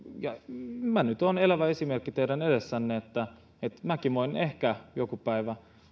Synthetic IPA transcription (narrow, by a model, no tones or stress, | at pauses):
jɑmænyt̪onelæʋæesimerkːit̪eiɾænedesːænːeet̪ːæ | et̪mækimoinehkæjokupæiʋæ